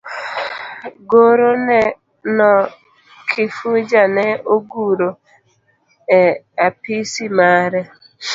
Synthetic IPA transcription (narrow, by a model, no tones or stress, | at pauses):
ɡoɾonɛ | nɔ | kʰɪfud͡ʒanɛoɡuɾo | ɛ | apisimaɾɛ